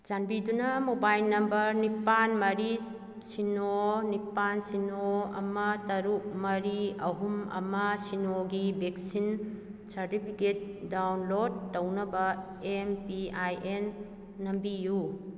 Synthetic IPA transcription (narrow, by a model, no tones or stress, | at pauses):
t͡ʃanbidunɐmobajlnɐmbɐɾnipanmɐɾi | sinonipansinoɐ̰mɐtɐɾuk̚mɐɾiɐ̰ɦumɐ̰mɐsinoɡibek̚sin | sɐɾtipʰiket̚dawnlod̚ːɐwnɐbɐ | empiajʔenː | ɐmbiju